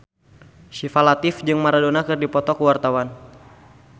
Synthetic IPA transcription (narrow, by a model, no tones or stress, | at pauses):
ʃifalat̪ɪfd͡ʒɨŋmaɾadonakɨrdipɔt̪ɔkəwart̪awan